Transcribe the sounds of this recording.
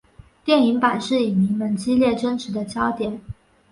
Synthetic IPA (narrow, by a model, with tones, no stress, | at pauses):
t̪jɛ˥˩ni˧˥ŋpa˨˩nʂɻ̩˥˩i˨˩mi˧˥ŋmə˧˥nt͡ɕi˥ljɛ˥˩ʈ͡ʂə˥nʈ͡ʂʰɻ̩˧˥d̪ə˧t͡ɕjɑ˥ʊt̪jɛ˨˩˦n